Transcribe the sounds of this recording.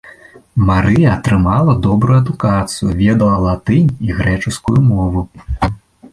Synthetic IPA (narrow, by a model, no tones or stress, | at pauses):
maɾɨjɐːt̪ɾɨmalˠɐd̪ɔbɾujuɐd̪ukat̪sɨjuvʲɛd̪ɐlˠɐlˠat̪ɨnʲiɣɾɛt͡ʂuskujumɔvu